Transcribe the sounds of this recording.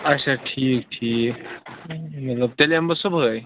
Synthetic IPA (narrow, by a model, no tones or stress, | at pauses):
asaʈʰiːkʈʰiːk | mɐt̪ləb̚t̪eleɦambəsubɦəj